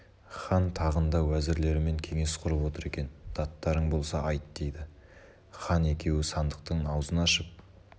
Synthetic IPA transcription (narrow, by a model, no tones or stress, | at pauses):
χɑnt̪ʰɑʁənd̪ɑwæzɪɾle̞ɾɪme̞ŋkʲʰe̞ŋe̞sqʰʊɾəpwo̞t̪əɾe̞kʲe̞nd̪̥ɑt̪ːɑɾəɴbo̞lˠsɑʔɑjt̪d̪̥e̞jd̪ɪ | χɑne̞kʲʰe̞wɪsɑnd̪əq̚t̪əɴɑwzənɑʃəp̚